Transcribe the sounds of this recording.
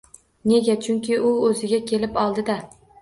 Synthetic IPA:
ne̞ɡʲat͡ʃʰʊŋkʲɪʔʊɵzɪɡʲakʲʰe̞lɪpɒlˠd̪ɪd̪a

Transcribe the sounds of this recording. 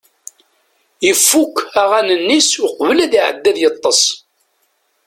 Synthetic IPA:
jəfːukːæʁænənːisʊqvəlæðiʕə̰d̪ːæðjət̪ˤːəsˤ

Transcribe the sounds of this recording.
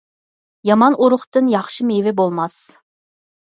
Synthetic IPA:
jɑmɑnʔoɾʊχt̪ɨnjɑχʃɨmevɪbolˠmɑs

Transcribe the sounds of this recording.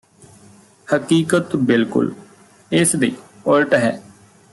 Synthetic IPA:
həkiːkət̪bɪlkʊ̰l | ɪsd̪iː | əlʈɦɛː

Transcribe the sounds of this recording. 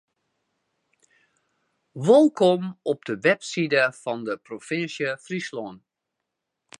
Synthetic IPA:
ʋɪlˠkɔmɔp̚dəʋɛpsidəfɑndəprofɪnsjəfrisloən

